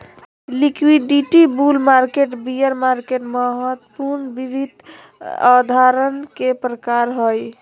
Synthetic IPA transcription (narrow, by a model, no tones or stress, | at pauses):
likwiɖiʈibulmaɾkeʈbijəɾmaɾkeʈməɦət̪puɾnbiɾid̪ | a̰d̪ʱaɾənkepɾəkaɾɦoj